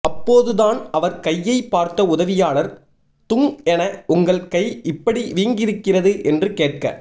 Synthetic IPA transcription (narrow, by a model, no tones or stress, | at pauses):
ʔɐpːoːðɯðaːnɐʋɐɾkɐjːɐɪpːaːɾt̪ɐʊðɐʋɪjaːlɐɾ | t̪ʊŋɛnɐʊŋɡɐɭkɐɪɪpːɐɽiʋiːŋɡɪɾɯkːɪrɐðɯʔɛndrɯkeːʈ̚kɐ̰